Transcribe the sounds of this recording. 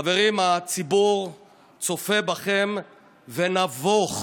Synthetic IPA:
ave̞ʁimat͡sibuʁ | t͡so̞febaχem | venavoχ

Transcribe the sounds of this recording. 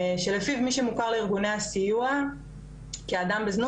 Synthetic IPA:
ʃe̞lefivmiʃe̞mukaʁleiʁɡunejasijua | kiad̪ambeznu

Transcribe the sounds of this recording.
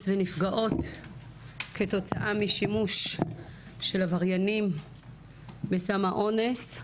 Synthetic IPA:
svenifɡaʔo̞t | kʰe̞to̞t͡saʔamiʃimuʃː | e̞lavaʁjanim | besamaʔo̞nes

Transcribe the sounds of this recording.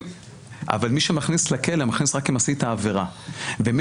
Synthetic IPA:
ʔa̰valmiʃemaχnislakelemaχnisʁakimasit̪aːveʁavem

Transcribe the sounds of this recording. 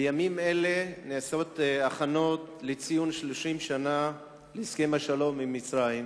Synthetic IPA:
jamime̞le̞neso̞t̪aχano̞t̪let͡sijunʃloʃimʃana | leskemaʃalo̞mimit͡sʁajim

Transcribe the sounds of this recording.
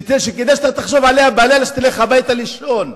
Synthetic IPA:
t̪eʃekedajʃat̪at̪aχʃovʕalehabalelaʃt̪ileχabajt̪aliʃon

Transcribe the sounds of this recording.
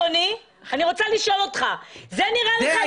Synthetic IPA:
oni | aniʁo̞t͡saliʃo̞lot̪χazeniʁalea

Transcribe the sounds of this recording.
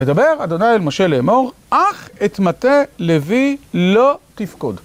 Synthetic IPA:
edabe̞ʁado̞najelmo̞ʃe̞leːmo̞ʁʔaχetmatelevilo̞tifkod

